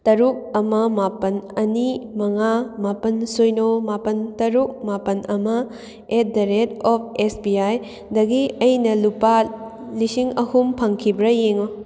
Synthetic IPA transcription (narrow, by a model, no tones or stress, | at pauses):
tɐɾuk̚ɐmɐmapɐnɐnimɐŋamapɐnsojnomapɐntɐɾuk̚mapɐnʔɐmɐ | et̚dɐɾetɔp̚ʰesbiaj | dɐɡiɐjnɐlupa | lisiŋɐhumpʰɐŋkʰibɾɐjeŋo